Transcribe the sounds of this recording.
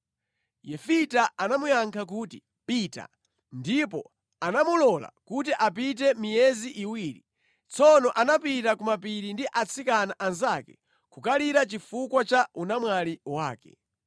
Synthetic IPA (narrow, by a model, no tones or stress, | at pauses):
jɛfitaanamujaŋkʰak̬uːti | pita̰ | ndipɔ̰ | anamulɔla̰kutiʔapit̬ɛmijɛziʔiwiːɾḭ | t͡sʰɔnɔʔanapitakumapiɾindiʔat͡sʰikanaʔanzakɛ | kukaliɾat͡ʃifukwat͡ʃaunamwaliwaːkɛ̰